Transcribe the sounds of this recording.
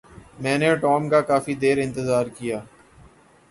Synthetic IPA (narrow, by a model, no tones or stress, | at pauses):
mɛ̃ːneʈɔːmkakaːfid̪eːɾɪ̃nt̪əzaːɾkijaː